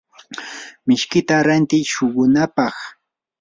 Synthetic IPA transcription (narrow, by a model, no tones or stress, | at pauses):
mɪʃkɪt̪aɾant̪ɪjʃʊɢʊnapɑχ